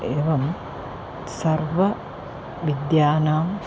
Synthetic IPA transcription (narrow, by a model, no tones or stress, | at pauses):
eːʋɐm | sɐrʋɐ | ʋid̪jaːnaːm